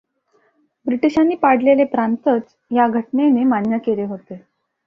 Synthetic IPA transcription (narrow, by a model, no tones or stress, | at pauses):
bɾiʈiɕanːiːpaɽ̤lelepɾant̪ət͡s | jaɡʱəʈnenemanjəkeleɦot̪e